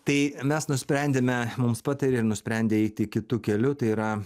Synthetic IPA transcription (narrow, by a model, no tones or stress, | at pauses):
t̪ɐɪmʲɛsnʊsʲpʲɾʲɛnʲd̪ʲeːmʲɛmʊmspɑːt̪ɐɾʲeɪɾnʊsʲpʲɾʲɛnʲd̪ʲeːɛɪt̪ʲɪkʲɪt̪uːkʲɛlʲʊt̪ɐɪiːɾɐ